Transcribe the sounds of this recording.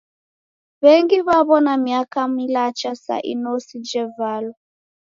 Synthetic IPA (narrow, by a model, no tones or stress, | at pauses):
βɛŋɡiβaβɔnamiakamilat͡ʃasa̰ʔḭnɔsid͡ʒɛvalɔ